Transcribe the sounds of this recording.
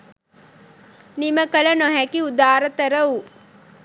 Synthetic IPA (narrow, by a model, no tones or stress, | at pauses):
niməkələnoɦækiud̪aːɾət̪əɾəu